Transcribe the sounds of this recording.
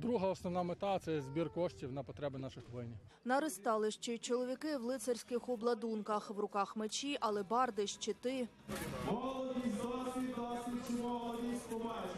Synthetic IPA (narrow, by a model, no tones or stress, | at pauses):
d̪ɾuɦɐɔsnɔwnɑmet̪ɑt̪sɛɛzbʲirkɔʃtʲiwnɐpɔt̪ɾɛbɪnɑʃɪxʋɔlʲnʲinɐɾɪst̪ɑlˠɪʃt͡ʃɛt͡ʃɔlˠɔʋʲikɪʋlˠɪt̪sɐrʲsʲkɪxɔblˠɐd̪unkɐxʋɾʊkɑxmet͡ʃiʔɐlˠɛbɑrd̪ɪʃt͡ʃet̪ɪ | mɔlˠɔd̪ʲizɑsʲik̪ɑsʲit͡ʃimɔlˠɐʋʲisʲpɔmɛ